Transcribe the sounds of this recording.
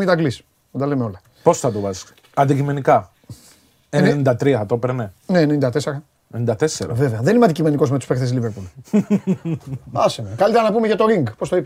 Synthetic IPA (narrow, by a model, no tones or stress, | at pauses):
mid̪ɐɡlis | mɐd̪ɐlemeo̞lɐ | po̞sθɐt̪ovɐzi̥ | ɐnd̪icime̞nikɐ | enenind̪ɐt̪ɾiɐt̪opeɾneneːnenind̪ɐt̪eseɾɐ | enind̪ɐt̪eseɾɐ̰ve̞veɐðe̞nimeɐnd̪icime̞niko̞zmet̪uspe̞xt̪esliveɾpul | ɐsimekɐlit̪eɾɐnɐpume̞ʝɐt̪o̞ɾiŋɡpo̞st̪oip